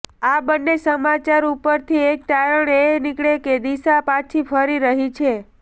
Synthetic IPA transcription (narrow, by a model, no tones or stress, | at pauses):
abənːesəmat͡ʃaɾupəɾt̪ʰiekkaɾəɳenikɭeked̪isapãt͡ʃʰifʰəɾiɾəɦit͡ʃʰe